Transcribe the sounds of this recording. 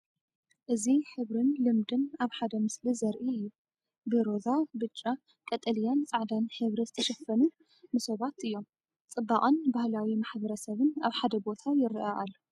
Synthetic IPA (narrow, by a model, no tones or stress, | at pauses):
ʔɨziħɨβɾɨnlɨmd̪ɨnaβħad̪ɐmɨslizɐɾʔiɨjːu | beɾo̞zabɨt͡ʃʼːa | kʼɐt̪ʼɐlijant͡sʼaʕd̪anħɨβɾizɨt̪ʰɐʃɐfːɐnu | nɨsoβat̪ɨjːo̞m | t͡sʼɨbːaqʼɐnbahlawimaħbɐɾɐsɐβɨnaβħad̪ɐbo̞t̪ʰajɪɾʔɐʔa̰lːo